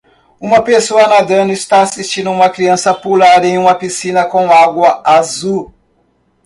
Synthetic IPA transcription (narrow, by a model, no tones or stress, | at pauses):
ũmɐpesoɐnad̪ɐ̃nʊist̪aasist͡ʃĩnd̪ʊũmɐkɾiɐ̃sɐpulaɾẽj̃ũmɐpisĩnɐkõw̃aɡwɐazu